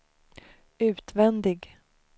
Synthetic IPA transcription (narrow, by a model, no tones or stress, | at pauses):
ʉ̟ːt̪vɛnd̪ɪɡ